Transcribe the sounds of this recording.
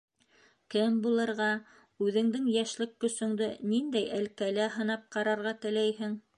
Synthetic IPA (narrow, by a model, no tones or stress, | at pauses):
kɘmbulˠɤ̆ɾʁɑ | ʉðɘ̆ŋd̪ɘŋjæʃlɘkːɵ̆sɵ̆ŋd̪ɘnind̪æjælkælæɦɤ̆nɑp̚qɑɾɑɾʁɑt̪ɘ̆læjɦɘŋ